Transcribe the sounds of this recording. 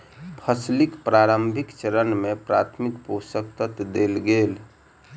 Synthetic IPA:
pʰəslikpɾaɾəmbʱikt͡ʃəɾənmepɾat̪ʰmikposəkt̪ət̪d̪elɡel

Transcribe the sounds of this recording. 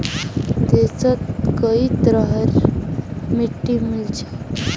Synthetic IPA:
t̪et͡sət̪kəit̪ɾaɦəɾ | miʈːimilt͡ʃe̥

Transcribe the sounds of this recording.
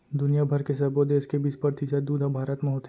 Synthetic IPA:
d̪ʊnijabʱɐɾkesɐbod̪eːskebiːspəɾt̪ɪsəd̪uːd̪ʱɔbʱaːɾət̪mẽɦoːt̪

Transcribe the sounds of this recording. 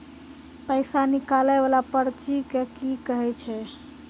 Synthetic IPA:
pəjsanikalɛbalapəɾt͡ʃikekikəɦɛt͡ʃʰɛ

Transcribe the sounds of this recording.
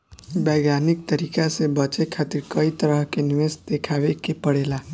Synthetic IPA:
bɛɡanik̚t̪əɾikasebət͡ʃekʰat̪iɾkəit̪əɾəɦkeniʋesd̪ekʰabekepəɽela

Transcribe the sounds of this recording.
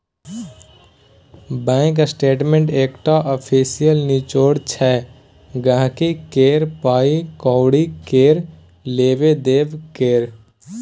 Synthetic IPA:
bɛ̃ːŋksʈeːʈmẽɳʈeːkʈaʔəpʰiːsijəlnit͡ʃoːɽt͡ʃʰɛ | ɡəɦãkikeːɾpaːikɔːwɽikeːɾ | leːʋed̪eːʋkeːɾ

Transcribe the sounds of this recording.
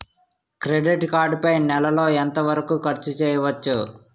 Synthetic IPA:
kɾeɖiʈkaːɾɖpɐjnɛlɐlo̞ːent̪ɐʋɐɾɐkuːkɐɾt͡ʃːut͡ʃɛːjɐʋɐt͡ʃːu

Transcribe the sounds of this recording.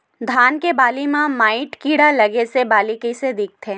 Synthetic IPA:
d̪ʱaːnkebaːlimãmaːɪʈkiːɽalɐɡesebaːlikised̪ɪk̚t̪ʰẽː

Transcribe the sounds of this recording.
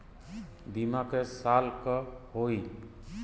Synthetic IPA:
bimakesalkɔhoj

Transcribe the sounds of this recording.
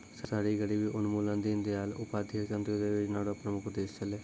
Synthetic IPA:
ssaːɽiːɡəɽiːʋiːʔʊnmuːlãːnd̪iːnd̪eːaːlʊpaːd̪ʱəɾkənt̪ɾod̪eːʋɪt͡ʃnaːɽõpnəmʊkʰd̪eːst͡ʃəleː

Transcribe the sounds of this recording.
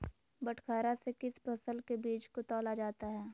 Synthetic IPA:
bɐʈʰkʰaːɾasekɪspɐsəlkebiːt͡ʃkot̪ɔːlad͡ʒaːt̪aɦɛː

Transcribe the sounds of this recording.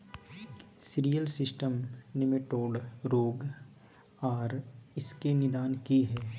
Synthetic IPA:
sɪɾijəlsɪsʈəmnɪmɪʈoːɖɾoːɡ | ɔːɾɪskenɪd̪aːnkiɦɛː

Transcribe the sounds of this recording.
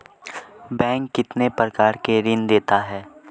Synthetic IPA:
bɛ̃ːŋkːɪt̪nepɾəkaːɾkeɾɪnd̪eːt̪aɦɛː

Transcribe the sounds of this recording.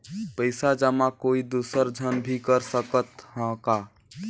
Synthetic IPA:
pəɪsad͡ʒəmakoid̪usəɾd͡ʒʱənbʱikəɾsəkət̪hə̃ka

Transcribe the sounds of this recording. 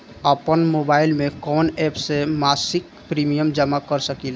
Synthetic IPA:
əpənmobailmekɔːnɛpsemasik̚ | pɾimijəmd͡ʒəmakəɾsəkil

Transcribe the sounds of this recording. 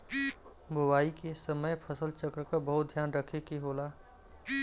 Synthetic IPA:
bowaːikesəməjpʰəsəlt͡ʃəkɾəkabəɦʊt̪̚d̪ʱjaːnɾəkʰekeɦoːlaː

